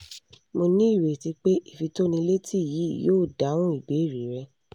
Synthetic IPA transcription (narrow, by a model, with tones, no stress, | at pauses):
mo˧nĩ˦i˦˨ɾe˨ti˧k͡pe˦ʔi˦˨fi˧to˦nĩ˧le˦tʰi˦˨ji˨˦˨joː˦˨da˨˦w̃ũ˦i˨be˨˦˨ɾi˨˦ɾɛ˧